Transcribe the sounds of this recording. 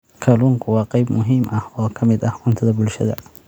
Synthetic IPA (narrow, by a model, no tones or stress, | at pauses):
kʰɐluːŋkʰʊwɑːqɑjbmʊɦiːmʔɐhɔːkʰɐmɪd̪ɐhʊnt̪ʰɐðɐbʊlʃɐðɐ̰